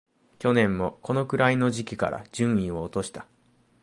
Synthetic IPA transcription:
kʲo̞nẽ̞mːo̞ko̞no̞kɯ̟ɾaino̞ʑikʲika̰ɾa̰d͡ʑɨ̃ɰ̃ĩo̞ːt̪o̞ɕi̥t̪a

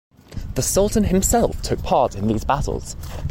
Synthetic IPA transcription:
ðəsʌlˠʔn̩ɪ̃msɛlˠftʰʊk̚pʰɑˑtɪ̃nðiːzbatˡə̰l̩ˠz̥

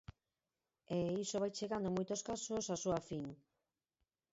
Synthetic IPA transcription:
eisoβajt͡ʃeɣand̪omojt̪oskasosasuafiŋ

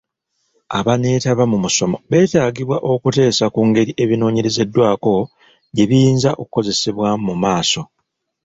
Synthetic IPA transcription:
a̰βane̞ːtaβamumuso̞mo̞̰βe̞ːtaːɡiβwaʔo̞kute̞ːsakuːŋɡe̞ɾiʔe̞βino̞ːɲe̞ɾe̞ze̞dːwaːko̞ | ɟe̞βijiːnzaʔo̞kuko̞ze̞seβwamumaːso̞

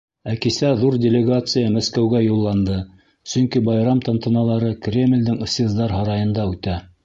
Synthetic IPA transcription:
ækisæðuɾdʲɪlʲɪɡat̪sɨjamæskæwɡæjulˠːɑnd̪ɤ | sɵ̆ŋkibɑjɾɑmt̪ɑnt̪ɤ̆nɑlˠɑɾɤkrʲemʲlʲd̪ɘŋɤ̆sezd̪ɑɾɦɑɾɑjɤ̆nd̪ɑʉt̪æ

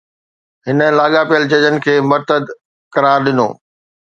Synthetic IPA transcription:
ɦɪnəlaːɠapijəlt͡ɕɐd͡ʑənɪ̆kʰeːmɐɾt̪əd̪ | kɐɾaːɾɗɪno̰ː

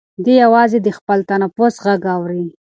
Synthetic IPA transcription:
d̪ejawɑzed̪əxpəlt̪anafosɣaɡɑwɾi

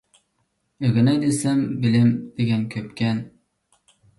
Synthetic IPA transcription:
ɵ̆ɡɘ̆næd̪ɘsɘmbɘ̆lɘmd̪iɡæŋkɵp̚kæn

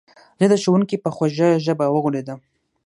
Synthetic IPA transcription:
d̪əd̪əʃowuŋkipəxaʒaʒəbawəɣuɽed̪a

